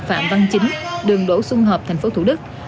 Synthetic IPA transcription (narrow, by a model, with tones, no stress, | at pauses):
fa̰ː˧˨mva˧ŋt͡ɕï˨˦ŋ̟ɗɨ˨˩əŋɗo̰˧˥sʊ˧ŋ͡mɦəː˨˩p̚t̪ʰa˨˩j̟fo˨˦t̪ʰu˧˩ɗɨ˦˥k̚